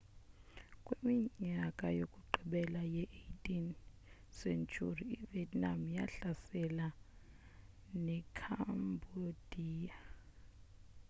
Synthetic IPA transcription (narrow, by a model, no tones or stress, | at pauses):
kʼwemiɲakʼajokʼuǃʱiɓɛlajɛʔejtʼin | sent͡ʃʰʼṵriːviɛdnamja̰ɬasɛla | nɛkʰambʱod̥ʱiːja